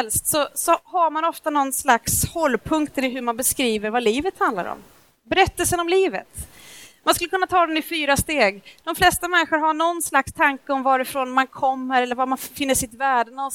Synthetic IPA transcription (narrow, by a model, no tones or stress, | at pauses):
ɛlst̪sɔsɔhaɾmanɔft̪anɔnːslakshɔlːpʰɵŋkt̪ʰəɾɪɦɵɾmanbɛskɾiːvəɾvaliːvət̪hand̪la̰ɾɔ̰m | bɛɾɛt̪ːəlsənɔmliːvə̰t̪manskɵlːəkʰɵnːat̪ʰɑːd̪ɛnɪfyːɾast̪eːɡd̪̥ɔmflɛst̪amɛnːɪɧəɾɦaɳɔnːslakst̪ʰaŋkəɔmvɑːɾɪfɾoːnmankʰɔmːəɾɛlːəɾvamanfɪnːəʂɪt̪væːɖəna